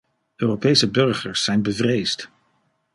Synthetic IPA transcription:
øːrowpejsəbɵɹχəɹsːɛjnbəvrejst

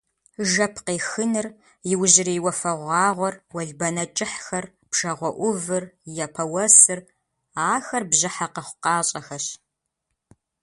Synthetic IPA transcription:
ʒɐpʰqeːxɨnɨr | jɪwʑɪriːwɐfɐʁʷɑːʁʷɔrwɐɮbɐnɐt͡ʃʼɪħxɐr | bʂɐʁʷɔʔʷʊvɨrjɛpʰɐwɐsɨr | aːxɐrbʑɨħaqəχʷʊqɑːɕʼɐxɐɕ

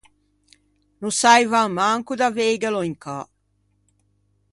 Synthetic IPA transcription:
nusajvamaŋkud̪aveːɡɛlɔiŋka

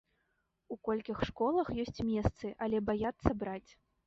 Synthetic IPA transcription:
ukɔlʲkʲixʂkɔlˠɐxjɔsʲt͡sʲmʲɛst̪sɨʔalʲɛbajat̪sːɐbɾat͡sʲ

